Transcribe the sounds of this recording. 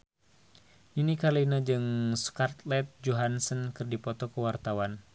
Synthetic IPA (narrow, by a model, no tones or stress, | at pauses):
ninikalinad͡ʒɨŋsu̥kart̪lɛt̪̚d͡ʒoɦansənkɨrdipɔt̪ɔkəwart̪awan